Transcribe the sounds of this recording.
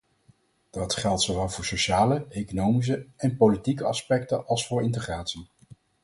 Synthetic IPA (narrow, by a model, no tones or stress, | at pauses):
d̥ɑtχɛlˠtsowʋɛlˠvʊːɹsoʃaːləejkonowmis̬əɛnpolitikəɑspɛk̚tənʔɑlˠsfʊːɹɪntəχraːtsi